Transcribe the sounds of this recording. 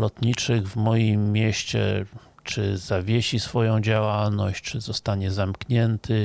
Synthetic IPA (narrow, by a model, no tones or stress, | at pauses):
lɔt̪ɲit͡ʂɘɣvmɔjimːʲɛɕt͡ɕɛ̰ | t͡ʂɘzavʲjeɕisfɔjɔ̃w̃d͡ʑawalnɔɕt͡ɕt͡ʂɘzɔst̪aɲɛzamkɲɛnt̪ʰɘ